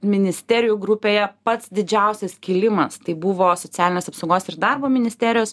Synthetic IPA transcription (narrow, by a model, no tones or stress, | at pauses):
mʲɪnʲɪsʲt̪ʲæːɾʲɪjuɡɾʊpʲeːjɛpɐt̪sd̪ʲɪd͡ʒʲɛˑʊsʲɛskʲɪlʲɪmɐst̪ɐɪbʊʋoːsot͡s̪ʲæːlʲɪnʲeːsɐpsɐʊɡoːsɪɾd̪ɐrboːmʲɪnʲɪsʲt̪ʲæːɾʲɪjoːs